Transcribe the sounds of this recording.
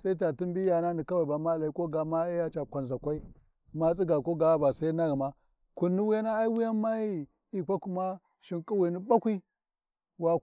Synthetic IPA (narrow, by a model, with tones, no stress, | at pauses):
sa˦i˦t̬a˨ti˦mbi˦ja˨na˦ni˨ka˦wa˨ba˨ma˦˨la˨i˦ko˦ɡa˨ma˦a˦ja˦t͡ʃa˨kʷa˨nza˨kʷa˦i˦ | ma˦t͡si˦ɡa˨ko˦ɡa˨˦ba˨sa˦i˦na˦ɣi˨ma˦ | ku˨nːi˦wu˦ja˦na˦a˦i˦wi˦ja˦ma˦i˦ | i˨kʷa˦ku˦ma˦ | ʃi˨ŋkʼi˦wi˨ni˦ba˦kʷi˦ | wa˦